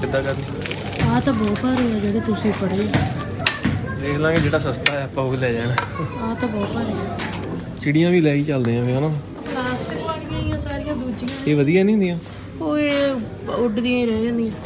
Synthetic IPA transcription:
ɪd̪aːkəɾniː | aːt̪ãːbɔːt̪aːɾeaːd͡ʒɛːd̪et̪ʊsĩːpəɽeː | d̪eːklãːked͡ʒeːɽaːsəst̪aːɛːəpːãːɦoːlɛːd͡ʒaːnaːaːt̪ãːbɔːt̪aːɾeã | t͡ʃɪɽijãːʋiːlɛːiːt͡ʃəld̪eːãːʋeːonãː | aːsɪkpaːɽɪjãːĩjãːsaːɾɪjãːd̪uːd͡ʒiãːeːʋəd̪ijãːnĩːnd̪ijãː | oːeː | ʊɖd̪ĩjãːiɾɛːd͡ʒãːnd̪ijãː

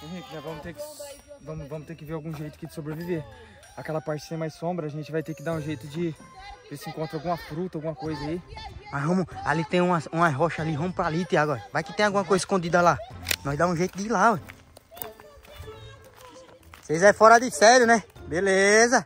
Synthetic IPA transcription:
ĩʒɛ̃vɐ̃mʊt̪ekɪvɐ̃mʊvɐ̃mʊt̪eɾkɪveɾawɡũʒejt̪ʊɐ̥kɪd͡ʒɪ̥sobɾevive | akɛlɐpaɾt͡ʃɪ̥sẽj̃majsõbɾɐaʒẽnt͡ʃɪvajt̪ekɪd̪aɾũʒejt̪ʊd͡ʒɪ | esɪĩkõnt̪ɾawɡũmɐfɾut̪ɐawɡũmɐkojzɐaimɐsɦõmʊa̰lit̪ẽj̃ũɐsũɐɦɔʃɐaliɦõmʊpɾalit̪ĩaɡɔɾɐvajkɪ̥t̪ẽj̃awɡũmɐkojzɐiskõd̪id̪ɐlanɔ̃jzd̪aũʒejt̪ʊd̪ɪila | sejzɛfɔɾɐd̪ɪsɛɾjʊnɛbelezɐ

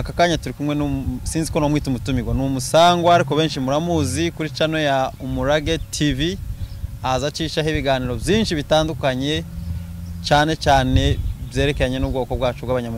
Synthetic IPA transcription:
akakaːɲatuɾikumwe̞nsiːnziko̞nomwiːtumutumiɡwanumusaːŋɡwaaɾiko̞βe̞ːnʃimuɾamuzikuɾit͡ʃano̞jaumuɾaɡe̞tʰivi | azat͡ʃiːʃaɦiβiɡaːniːɾo̞bjiːnʃiβitaːndukaɲe̞ | t͡ʃaːne̞t͡ʃaːne̞bje̞ːɾe̞keɾaɲe̞nubɡo̞ːkobɡaːt͡ʃoβwaβaɲamu

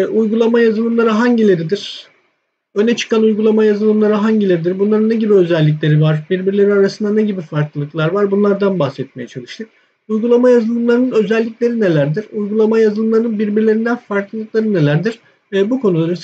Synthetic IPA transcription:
ujɡulˠamajazɯlˠɯmlˠaɾɯɦaɲɟilʲe̞ɾid̪iɾ̥ | ønɛt͡ʃʰɯ̥kʰanujɡulˠamajazɯlˠɯmlˠaɾɯɦaɲɟilʲe̞ɾid̪iɾbunlˠaɾɯnːɛɟibiø̞zɛlʲːic̬lʲe̞ɾivaɾbiɾbiɾlʲe̞ɾinaɾasɯnd̪anɛɟibifaɾklˠɯlˠɯklˠaɾvaɾbunlˠaɾd̪anbaxsɛt̪̚mejɛt͡ʃʰalˠɯʃt̪ʰɯk̚ | ujɡulˠamajazɯlˠɯmlˠaɾɯnɯnø̞zɛlʲːicʲlʲe̞ɾinelʲæɾd̪iɾ̥ujɡulˠamajazɯlˠɯmlˠaɾnɯnbiɾbiɾlʲe̞ɾind̪ænfaɾklˠɯlˠɯk̚lˠaɾɯne̞lʲæɾd̪iɾ̥ | ɛːbukʰo̞nulˠaɾɯ

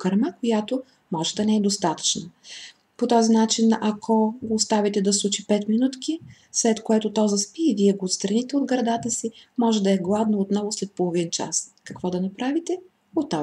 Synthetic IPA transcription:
kɐɾmakojat̪o | mɔʒɛd̪ɐnɛɛd̪ost̪at̪ə̥t͡ʃnə | pot̪ɔzinat͡ʃinakʰoɡoːst̪avit̪ɛd̪ɐslˠut͡ʃipɛt̪minut̪ki | slɛt̪koɛt̪ʊt̪ɔzɐspiːviɛɡoːt̪st̪ɾɐnit̪ɛod̪ɡɾɐd̪at̪əsimɔʒɛd̪ɐɛɡlˠad̪noot̪nɔvʊslɛt̪̚polˠovint͡ʃa̰skɐkvɔd̪ɐnɐpɾavit̪ɛ | ot̪ːa

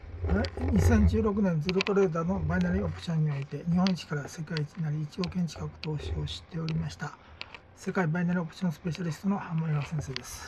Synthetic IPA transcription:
aɲisẽ̞ɲ̟d͡ʑɨːɾo̞k̬ɯ̟nẽ̞nd͡zɨɾɯt̪o̞ɾe̞ːd̪aːno̞bainaɾʲiopɯ̥t͡ɕõɲ̟ːio̞it̪e̞ɲ̟ihõit͡ɕi̥kaɾase̞kait͡ɕiɲ̟inaɾʲiːt͡ɕio̞ːkẽ̞ɲ̟t͡ɕi̥kakɯ̟̥t̪o̞ːɕio̞ɕi̥t̪ːe̞o̞ɾʲimaɕi̥t̪a | se̞kaibainaɾʲiopɯ̥t͡ɕõsɨ̥pe̞ɕaɾʲisɨ̥t̪o̞no̞hãmbaiɡasẽse̞ːd̪e̞sɨ̥

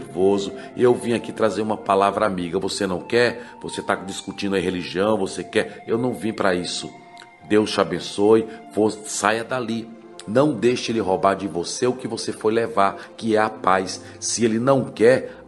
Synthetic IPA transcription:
ɾvozʊewvĩakit̪ɾazeɾũmɐpalavɾɐamiɡɐvosenɐ̃w̃kɛɾvoset̪ad͡ʒiskut͡ʃĩnd̪ʊɐĩɦeliʒiɐ̃w̃vosekɛewnɐ̃w̃vĩpɾɐisʊ | d̪ewst͡ʃabẽsojvossajɐd̪ali | nɐ̃w̃d̪ejʃɪlɪɦobaɾd͡ʒɪvoseʊkɪvosefojlevaɾkɪɛapajsː | ɪelɪnɐ̃w̃kɛɾ

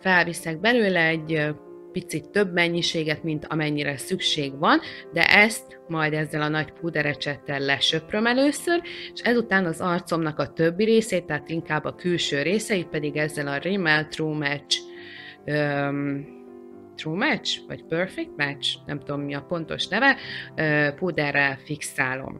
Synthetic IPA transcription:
fɛlvisɛɡ̚bɛløːlɛːɟ | pit̪sit̪ːøbmɛɲːiʃeːɡɛt̪mint̪ʰɒmɛɲːiɾɛsykʃeːɡʋɒnd̪ɛ̰ʔɛst̪ | mɒjd̪ɛzːɛlɒnɒɟpud̪ɛɾɛt͡ʃɛt̪ːɛlːɛʃø̞prø̞mɛløːsøreʃɛzut̪aːnɒzɒrt̪so̞mnɒkɒt̪ø̞bːiɾeːseːt̪ːɛɦaːt̪iŋkaːbːɒkylʃøːɾeːsɛipɛd̪iɡɛzːɛlɒrimɛlt̪ruːmɛt͡ʃ | ø | t̪ruːmɛt͡ʃvɒ̰cpørfɛk̚t̪mɛt͡ʃnɛ̰mt̪ud̪omːiɒpo̞n̪t̪o̞̰ʃnɛvɛøpuːd̪ɛrːɛlfiksaːlo̞̰m

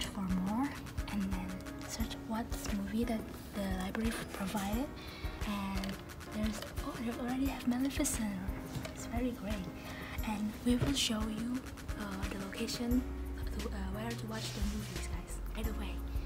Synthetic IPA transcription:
tfə˞mɔɹ | ʔɨ̃nðɨ̃n | sɜ˞t͡ʃwʌt̪̚ðɪsmuviðɨt̪̚ | ðəlaɪbɹɛɹipʰɹ̥ovaɪɾɪd | ʔɨ̃n | ðə˞zoʊðəɔl̩ˠɹɛɾiɨvmɛlˠɨfɨsɛnə˞ɪtsvɛɹiɡɹeɪt̚ | ʔɨ̃nwiwɪlˠʃoʊju | ʌðəloʊkʰeɪʃɨ̃n | wɛə˞tʰəwɑt͡ʃðɨmuvizɡ̥aɪz̥baɪɾəweɪ

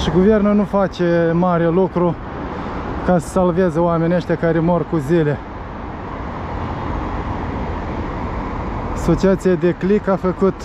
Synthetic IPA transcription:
ʃiɡuve̞rnunufat͡ʃe̞maɾelukɾu | kasə̥salvezəoamenʲeʃt̪ʲakaɾemorkuzile̞ | aso̞t͡ʃiat̪sijad̪e̞klikafəkut̪

